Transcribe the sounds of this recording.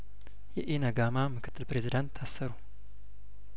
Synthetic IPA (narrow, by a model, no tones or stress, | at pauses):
jɛʔenəɡamamɨkʰɨ̥t̪ʰːɨlpɾe̞zid̪ant̪ʰːasːəɾu